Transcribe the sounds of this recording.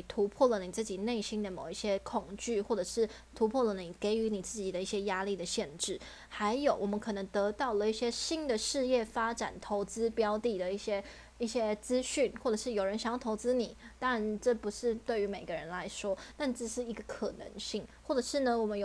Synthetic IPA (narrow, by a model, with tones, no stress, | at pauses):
i˨˩t̪ʰu˧˥pʰwɔ˥˩lə˩ni˨˩t͡sɹ̩˥˩t͡ɕi˨˩ne˥˩ɪɕi˥nd̪ə˨mo˨˩ʊi˥˩ɕjɛ˥kʰʊ˨˩ŋt͡ɕy˥˩xwɔ˥˩ʈ͡ʂɤ˨˩ʂɻ̩˥˩ | t̪ʰu˧˥pʰwɔ˥˩lə˩ni˨˩ke˧˥ɪy˧˥ni˨˩t͡sɹ̩˥˩t͡ɕi˨˩d̪ə˦i˥˩ɕjɛ˥ja˥li˥˩d̪ə˩ɕjɛ˥˧nʈ͡ʂɻ̩˥˩ | xa˧˥ɪjo˨˩ʊwɔ˨˩mə˧˦nkʰɤ˨˩nɤ˧˥ŋt̪ɤ˧˥t̪ɑ˥˩ʊlə˩i˥˩ɕjɛ˥ɕi˥nd̪ə˨ʂɻ̩˥˧jɛ˥˩fa˥ʈ͡ʂa˨˩nt̪ʰo˧˥ʊt͡sɹ̩˥pjɑ˥ʊt̪i˥˩d̪ə˩i˥˩ɕjɛ˥ | i˥˩ɕjɛ˥t͡sɹ̩˥ɕy˥˩nxwɔ˥˩ʈ͡ʂɤ˨˩ʂɻ̩˥˩jo˨˩ʊɻə˧˥nɕɑ˨˩ŋjɑ˥˩t̪ʰʊt͡sɹ̩˥ni˨˩˦t̪ɑ˥a˥ɻa˧nʈ͡ʂɤ˥˩pu˧˥ʂɻ̩˥˧t̪we˥˩ɪy˧˥me˨˩ɪɡə˧˦ɻə˧˥nla˧˥ɪʂwɔ˥t̪a˥˧nʈ͡ʂɤ˥˩ʂɻ̩˥˩i˧˥ɡə˧kʰɤ˨˩nɤ̰˧˥ŋɕi˥˩ŋxwɔ˥˩ʈ͡ʂɤ˨˩ʂɻ̩˥˩nə˩wɔ˨˩mə˦njo˨